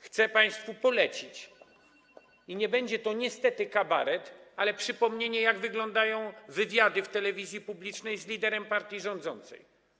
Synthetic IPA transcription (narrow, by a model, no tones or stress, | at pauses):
xt̪sɛpaj̃st̪fupɔlɛt͡ɕit͡ɕ | iɲɛbɛɲd͡ʑɛt̪ɔɲɛst̪ɛt̪ɘkaba̰ɾɛt̪alɛpʂɘpɔmɲeɲɛjaɡvɘɡlɔnd̪ajɔ̃w̃vɘvʲjad̪ɘft̪ɛlɛvʲizʲjipublʲit͡ʂnɛjzlʲid̪ɛɾɛmpaɾt̪ʲjiʐɔ̃nd̪zɔ̰nt̪sɛ̰j